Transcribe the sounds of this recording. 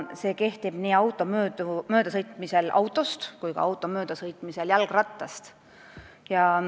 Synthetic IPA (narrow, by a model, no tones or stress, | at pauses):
se̞ːke̞ht̪ib̥niːɑwt̪ːˑo̞møːd̪umøːd̪̥ɑsɤjt̪ˑmise̞lʔɑ̰wt̪ˑːo̞st̪kujɡ̥ɑ̰ɑwt̪ːˑo̞møːd̪̥ɑsɤjt̪ˑmiseljælɡ̥rɑt̪ːɑst̪ | jɑ